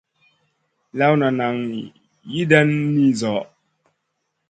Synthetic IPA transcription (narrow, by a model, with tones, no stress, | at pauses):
la˦wna˨na˨ŋ˨ | ji˦dɛ˦nːi˦zɔ˨˦